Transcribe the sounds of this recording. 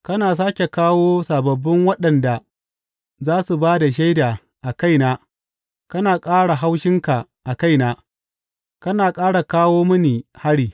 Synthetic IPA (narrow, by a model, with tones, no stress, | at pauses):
kɐ˦naː˨s̬aː˦kʲe˨kaː˦woː˦sa˨bɐ˨bːɪ˦ŋwɐ˦ɗɐ˨nda˨ | zaː˦su˨baː˦da˨ʃ̬a˦jdaː˨ | ʔa˨ka˦˨jnaː˦ | kɐ˦naː˨kʼaː˦ɽa˨ɦa˦wʃɪ˦ŋka˨ | ʔa˨ka˦˨jnaː˦ | kɐ˦naː˨kʼaː˦ɽa˨kaː˦woː˦mʊ˦niː˨ha˦ɽiː˨